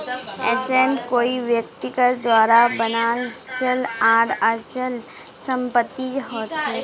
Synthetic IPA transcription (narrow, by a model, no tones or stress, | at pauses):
ɛːsenkoːiʋjək̚t̪ɪkəɾd̪ʋaːɾabənaːlt͡ʃəlaːɽəɾt͡ʃəl | sə̃mpət̪ːid͡ʒɦɔt͡ʃʰe